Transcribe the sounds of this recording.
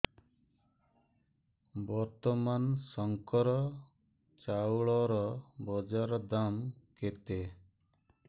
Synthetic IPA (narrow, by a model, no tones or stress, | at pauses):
bɔɾt̪ɔmansɔŋkɔɾɔ | t͡ʃawɭɔɾɔbɔd͡ʒaɾɔd̪amket̪e